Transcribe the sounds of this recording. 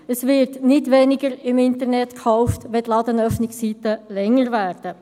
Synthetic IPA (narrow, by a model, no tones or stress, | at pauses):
əsʋɪɾtnɪtʋɛnɪɡəɾɪmɪntəɾnɛtkχɔʊftʋɛtlɑdənœfnɪksiːtəlɛŋːəɾvæːrd̥ə